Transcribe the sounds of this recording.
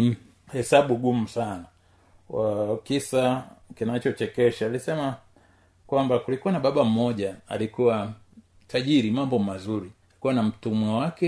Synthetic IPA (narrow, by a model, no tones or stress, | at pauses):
hɛsaɓuɡum̩sana | wakisakinat͡ʃɔt͡ʃɛkɛʃaːlisɛma | kwambakulikuwanaɓaɓam̩mɔʄaa̰likuwa | taʄiɾimambɔmazuɾialikuwanam̩tumwawakɛ